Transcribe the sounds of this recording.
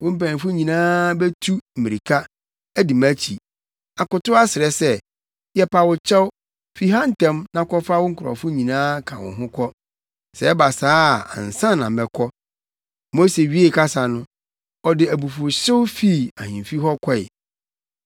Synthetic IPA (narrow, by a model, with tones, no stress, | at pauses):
wʊ̃˦m̩˦pæ˨nĩ˨fʊ˦ɲĩ˨nãː˦bɛ˦tʰu˦m̩˨mĩ˨ɾi˨kʰa˦ | æ˦di˨mæ˦t͡ɕʰi˨ | a˨kʊ˨tʊ˦a˦sɪ˨ɾɛ˦sɛ˦˨ | jɛ˨pʰa˨wʊ˨t͡ɕʰɛ˦w | fi˦ɦã˦n̩˦tɛ̃˦mnã˦kɔ˦fa˦wʊ̃˦ŋ̩˦kʰʊ˨ɾɔ̰˨fʊ˦ɲĩ˨nãː˦kʰã˨wʊ̰̃˨ɦʊ̃˦kʰɔ˦ | sɛ˨˦ɛ˦ba˨saː˦˨ã̰˨n̩˨sã˦nːã˨m̩˨bɛ˨kʰɔ˦ | mo˦se˨ɥi˦e˦˨kʰa˦sa˨nʊ̃˦ | ɔ˨dɪ˨æ˨bu˨fʊ˨ɕɪ˦wfi˦˨a˨hĩ˨m˨fi˦ɦɔ˦kʰɔ˦ɪ̰˨